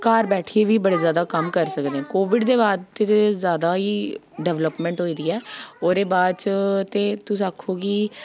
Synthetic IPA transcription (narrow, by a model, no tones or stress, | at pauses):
kaːɾbɛːʈʰieːʋiːbəɽeːzjaːd̪aːkəmkəɾsəkd̪ẽːɛ̃ːkoːʋɪɖd̪eːbaːd̪t̪eːt̪ezjaːd̪aːiː | ɖɛːʋləpmɛ̃ːɳʈɦoːiːd̪iːɛːoːɾeːbaːd̪t͡ʃt̪eːt̪ʊsiaːkʰːoːɡiː